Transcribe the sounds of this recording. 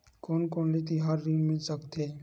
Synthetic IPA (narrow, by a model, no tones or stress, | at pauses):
koːnkoːnlit̪iɦaːɾːinmɪlsəkt̪e